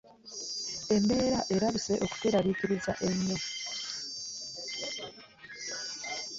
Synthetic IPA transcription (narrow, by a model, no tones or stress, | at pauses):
e̞mbe̞ːɾaʔe̞ɾaβise̞ʔo̞ku̥teɾaβiːkiɾiza̰ʔe̞ɲːo̞